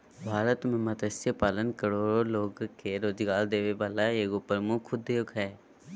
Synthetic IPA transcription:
ʋʱaːlat̪ʊmẽmət̪əsjəpaːlənkəɾoːɾoloːɡkeɾoːd͡ʒɡaːld̪eːʋeʋaːlaeːɡopəɾmʊkʰːʊd̪ejokɦɛː

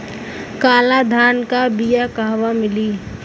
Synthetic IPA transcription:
kaːlad̪ʱaːnkabijakaɦwamɪliː

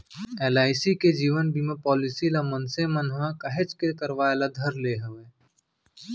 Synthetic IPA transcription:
eːlaːɪsiked͡ʒiːʋənbʱimẽpɔːlɪsilamənsemənʋãkɐɦet͡ʃkekəɾʋaːelad̪ʱɐɾleːɦʊʋeː

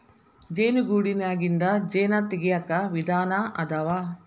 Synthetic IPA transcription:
d͡ʒeːnuɡuːɽinaːɡind̪ɐd͡ʒeːnɐt̪iɡijɐkɐʋid̪ʱaːnɐʔɐd̪ɐʋa

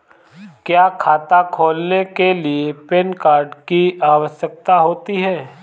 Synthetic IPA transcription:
kjaːkʰaːt̪akʰoːlnekeliepeːnkaːɾɖkiaːʋəʃjək̚t̪aɦoːt̪iɦɛː

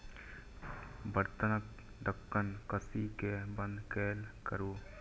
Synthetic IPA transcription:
bəɾt̪ənək | d̪əkːənkəsikebə̃nd̪keːlkəɾuː

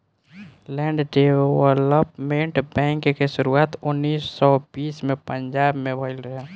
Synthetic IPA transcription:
lɛ̃ɳɖɖeʋələpmẽɳʈbɛ̃ːŋkkeʃʊɾuaːt̪ʊnːiːsːɔbiːsmẽpə̃ɲd͡ʒaːbmẽbʱəɪlɾəɦe

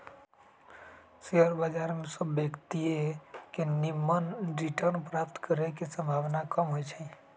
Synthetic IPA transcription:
seəɾbəd͡ʒaɾmesəbːekt̪iekenimːənɾiʈəɾnpɾap̚t̪kəɾekesə̃mbʱaʋnakəmɦojt͡ʃʰə

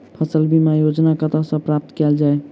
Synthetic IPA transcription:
pʰəsəlbʱimajod͡ʒnakət̪asə̃pɾap̚t̪kɛld͡ʒae

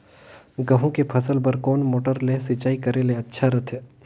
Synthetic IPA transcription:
ɡɐɦũkepʰɐsəlpəɾkɔːnmoːʈəɾlesɪt͡ʃaːikɐɾeleɐtːʃʰaɾɐt̪ʰɛː

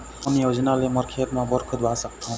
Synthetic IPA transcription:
ɔnijod͡ʒnaleməɾkʰet̪mãbəɾkʰəd̪ʱwasəkt̪ʰɔ̃

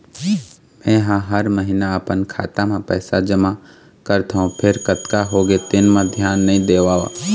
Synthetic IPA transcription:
mɛ̃ːɦãɦəɾməɦɪnaəpənkʰa̰ːt̪amãpɛːsad͡ʒəma | kəɾt̪ʰaɦũpʰɪɾkət̪kaɦoːɡet̪ɪnmãd̪ʱjaːnːɐĩd̪eːʋaːʋa̰ː

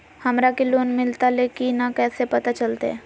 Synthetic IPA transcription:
hɐmɾakiloːnmɪlt̪aleːkinakɛːsepɐt̪at͡ʃəlt̪ḛɛ̰̃ː

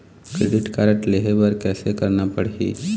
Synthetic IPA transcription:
kɾeːɖɪʈkaːɾə̃ʈleɦebɐɾkɛːsekɐɾnapɐɽ̤ḭː

